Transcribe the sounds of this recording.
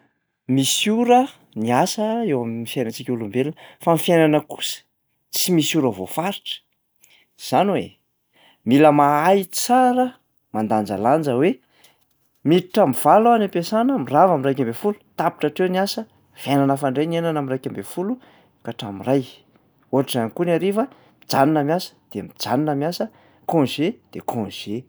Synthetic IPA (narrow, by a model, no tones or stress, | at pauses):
misuɾə | niasəewamnifjajnant͡sikʲulumbelunəfamifjajnanəku̥sə̥ | t͡simisuɾəvo̰faɾiʈ͡ʂə̥ | z̥anwḛ | miləmaaji̥t͡saɾə | mand̪and͡za̰land͡ʒəwe | miiʈ͡ʂamiv̥aloanapesanəmiravamirajkʲambefulu̥t̪api̥ʈ͡ʂaʈ͡ʂenasə | v̥enanafaɳɖ͡ʐenenanamirajkʲambefulu | kaʈ͡ʂamiraj | uɦaʈ͡ʂizankunaɾiva | id͡zaninamjasə̥d̪̥eamid͡zaninamiasə | kõnʒed̪̥ekʰõnʒ̥e